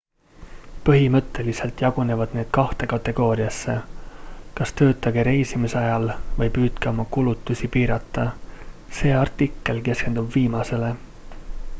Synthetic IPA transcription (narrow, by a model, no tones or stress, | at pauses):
pɤɦimɤ̞t̪ːe̞lise̞lt̪ˑjɑɡ̥une̞vɑd̪̥ne̞ːd̪̥kɑht̪e̞kɑt̪ːˑe̞ɡ̥o̞ːɾiɑsːe̞ | kɑst̪ø̞ːt̪ˑːɑɡ̥eɾe̞jsimiseɑjɑlvɤjpyːd̪̥keo̞mɑkulut̪ːˑusipiːɾɑt̪ˑːɑse̞ːɑrt̪ːˑikːˑe̞lke̞ske̞nd̪̥ubviːmɑse̞le̞